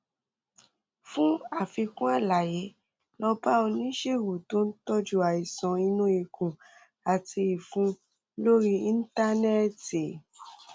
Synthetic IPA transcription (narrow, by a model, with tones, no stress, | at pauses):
fũ˦a˦˨fi˧kũ˦a˦˨la˨je˨˦ | lɔ˧ba˦o˧nĩ˦ʃe˦˨wo˨tõ˨˦n̩˦tɔ˦d͡ʒu˦a˨i˨sɔ̃˨i˧nũ˦i˧˨kũ˨ | a˨ti˧i˨fũ˨˦ | lo˦ɾi˦i˦n̩˦ta˦nɛ˦te˨